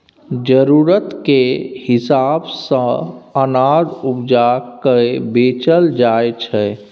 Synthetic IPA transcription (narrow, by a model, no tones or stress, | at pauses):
d͡ʒəɾuɾət̪kehisabsə̃ənad̪upd͡ʒakəebet͡ʃəld͡ʒaet͡ʃʰɛ